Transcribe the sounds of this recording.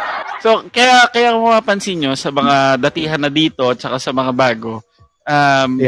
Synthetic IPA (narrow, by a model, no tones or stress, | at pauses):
so̞kɐjakɐjakomɐpaːpɐnsinjo̞sɐmɐŋad̪ɐt̪iːɦɐnːɐd̪iːt̪o̞t̪̚t͡ʃɐkasɐmɐŋabaːɡo̞ | ʔam